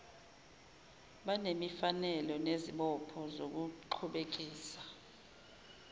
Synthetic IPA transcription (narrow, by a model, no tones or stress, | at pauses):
ɓanemifanɛlɔneziɓɔpʰɔzok̬uǃʰuɓek̬ʼiːsḁ